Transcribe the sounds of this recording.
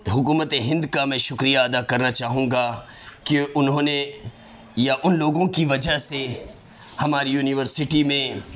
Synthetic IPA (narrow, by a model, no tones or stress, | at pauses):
ɦʊkuːmət̪eɦɪ̃nd̪kamɛ̃ːʃʊkɾijaɐd̪akɐɾnat͡ʃaːɦũːɡa | kiʊnɦõːne | jaʔʊnloːɡõkiʋɐd͡ʒəɦse | hɐmaːɾijuːnɪʋəɾsɪʈimẽː